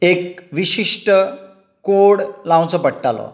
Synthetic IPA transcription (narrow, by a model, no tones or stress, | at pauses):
ekʋiɕiʂʈə | koɽlãwt͡səpəɽʈalɔ̰